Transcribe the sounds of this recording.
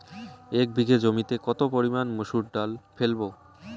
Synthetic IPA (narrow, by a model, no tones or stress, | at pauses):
ek̚bʱiɡed͡ʑomit̪ekɔt̪opoɾimanmoʃuʈ̚ɖalfelbo